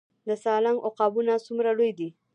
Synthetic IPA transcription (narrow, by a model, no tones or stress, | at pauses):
d̪əsɑlaŋʔoqɑbunasumɾalojd̪i